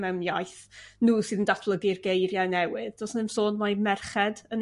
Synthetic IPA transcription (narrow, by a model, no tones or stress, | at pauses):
mɛwmjajθnuːsɨːðəndatʰblˠəɡɪrɡejɾjanɛwɨðdosnɪmsoːdmajmɛrχɛdən